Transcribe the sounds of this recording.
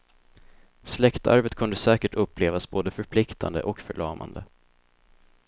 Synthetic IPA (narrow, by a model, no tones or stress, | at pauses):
slɛkt̪ʰa̰ɾvət̪kʰɵnd̪əsɛːkəʈɵpːleːvasboːd̪əfœɾpʰlɪkt̪ʰand̪ə̰ʔɔkfœɭɑːma̰nd̪ə